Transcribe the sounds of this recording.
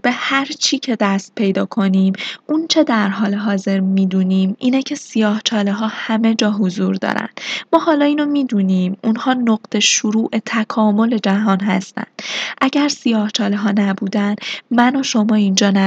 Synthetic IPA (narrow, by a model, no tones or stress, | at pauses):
b̥e̞hæɾt͡ʃʰiːcʰe̞d̪æst̪̚pʰe̞jd̪ɒːkʰo̞niːmʔunt͡ʃʰe̞d̪æɾɦɒːle̞ɦɒːze̞ɾmiːd̪uːnimiːnecʰe̞sijɒːht͡ʃʰɒːleɦɒːhæme̞d͡ʒɒːɦozuːɾd̪ɒ̰ːɾæ̰nd̪̥mɒːhɒːlɒːiːno̞miːd̪uːniːmunhɒːnoɢ̥t̪ʰe̞ʃuɾuːʔe̞t̪ʰækʰɒːmo̞le̞d͡ʒæɦɒːnɦæ̰st̪æ̰nd̪̥ʔæɟæɾsijɒːht͡ʃʰɒːleɦɒːnæbuːd̪ænd̪mænoʃo̞mɒːind͡ʒɒːnæ